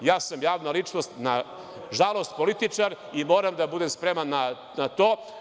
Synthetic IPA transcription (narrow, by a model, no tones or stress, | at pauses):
jaːsamjaːʋnalit͡ʂnost̪na | ʒalˠo̞st̪̚polit̪it͡ʃaɾ | imo̞ːɾamd̪abud̪emspɾemanːa | nat̪oː